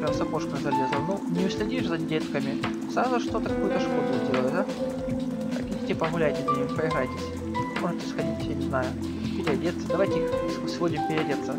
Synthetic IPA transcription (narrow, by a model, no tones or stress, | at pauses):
pɾʲamsɐpoʂkəɣzɐlʲe̞zəlnunʲɪʊsʲlʲɪdʲiʐzɐdʲet̪kəmʲɪ | sɾazʊʂt̪o̞t̪əkɐkujʊt̪əʂkod̪ʊzʲdʲeləd̪a | ɐ̰kʲɪdʲitʲɪpəɣʊlʲæjtʲɪnʲɪimpəɪɦɾajtʲɪsʲ | moʐɨtʲɪsxɐdʲitʲjanʲɪznajʊ | pʲɪɾʲɪɐdʲet̪sːəd̪ɐvajtʲɪixssvodʲɪmpʲɪɾʲɪɐdʲet̪sːə